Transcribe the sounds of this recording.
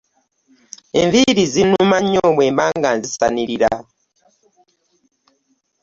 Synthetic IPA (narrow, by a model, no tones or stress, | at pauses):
eɱviɾizinumaɲːoːmwe̞ːmbaːŋɡanzisa̰niɾiɾa